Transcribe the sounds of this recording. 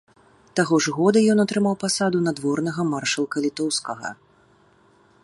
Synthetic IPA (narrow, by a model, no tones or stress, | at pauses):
t̪aɣɔʐɣɔd̪ɐjɔnɐt̪ɾɨmawpasad̪unad̪vɔrnɐɣɐmarʂɐlˠkɐlʲit̪ɔwskɐɣɐ̰